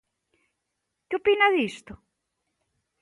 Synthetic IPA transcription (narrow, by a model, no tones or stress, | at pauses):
kɪopinaðist̪ʊ